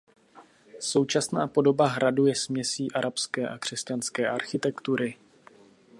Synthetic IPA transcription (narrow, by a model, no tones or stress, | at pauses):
so̞wt͡ʃasnaːpo̞do̞baɦɾadujɛsmɲɛsiːʔaɾapskɛːʔakr̝̥ɛscanskɛːʔaɾxɪt̪ɛkt̪uɾɪ